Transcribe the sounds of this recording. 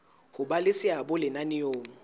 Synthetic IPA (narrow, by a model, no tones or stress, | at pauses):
hʊbalɪsɪabʊlɪnanɪjoːŋ̩